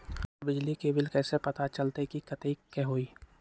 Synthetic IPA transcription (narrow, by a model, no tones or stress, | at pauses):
bɪd͡ʒlikebɪlkɛːsepɐt̪at͡ʃɐlt̪ekikɐt̪ikɛɦoːiː